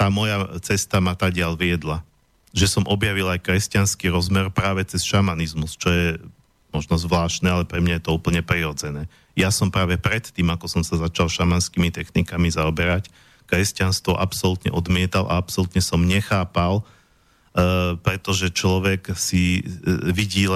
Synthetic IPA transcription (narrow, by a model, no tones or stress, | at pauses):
t̪aːmɔjat͡sɛst̪amat̪aːɟɪalʋɪɛd̪la | ʒɛsɔmʔɔbjaʋilajkɾɛscanskiɾɔzmɛɾpɾaːʋɛt͡sɛsʃamanizmust͡ʃɔjɛ | mɔʒnɔzʋlaːʃt̪nɛːalɛpɾɛmɲajɛt̪ɔuːpl̩ɲɛpɾiɾɔd͡zɛnɛː | jasɔmpɾaːʋɛpɾɛt̪ːiːmakɔsɔmsazat͡ʃalʃamanskimit̪ɛxnikamizaɔbɛɾac | kɾɛscanst̪ʋɔʔapsɔlut̪ɲɛ̰ʔɔd̪mɪɛt̪alʔa̰apsɔlut̪ɲɛsɔmɲɛxaːpal | pɾɛt̪ɔʒɛt͡ʃlɔʋɛksi | ʋiɟiːl